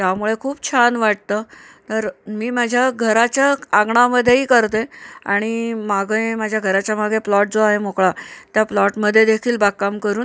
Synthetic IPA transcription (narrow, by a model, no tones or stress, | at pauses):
t̪jamuɭekʰuːbt͡ɕʰanʋaʈ̚t̪ə | t̪əɾmiːmad͡ʑʱjaɡʱəɾat͡ɕjaaɡɳaməd̪ʱjeiːkəɾt̪ea̰ɽ̃imaɡemad͡ʑʱjaɡʱəɾat͡ɕjamaɡẽplɔʈ̚d͡zoaɦemokɭat̪japlɔʈməd̪ʱːjed̪ekʰiːlbak̚kːamkəɾuːn